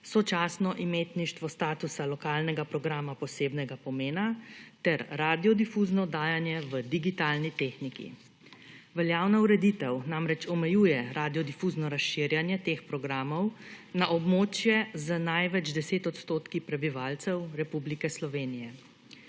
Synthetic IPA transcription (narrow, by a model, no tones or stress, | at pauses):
sɔt͡ʃaːsnɔʔimeːt̪niʃt̪ʋɔst̪aːt̪usalɔkaːlnɛɡapɾɔɡɾaːmapɔseːbnɛɡapɔmeːnat̪ɛɾɾad̪iɔd̪ifuːznɔd̪aːjanjɛʋəd̪iɡit̪aːlnit̪exnikḭ | ʋɛljaːwnauɾɛd̪it̪ɛwnamɾɛt͡ʃɔmɛjuːjɛɾʔad̪ijɔd̪ifuznɔɾasʃiɾjanjɛt̪eːxpɾɔɡɾaːmɔwnaʔɔbmoːt͡ʃjɛzənajʋɛd͡ʒd̪ɛseːt̪ɔt̪st̪oːt̪kipɾɛbiʋaːlt̪sɛwɾɛpublikɛslɔʋeːnijɛ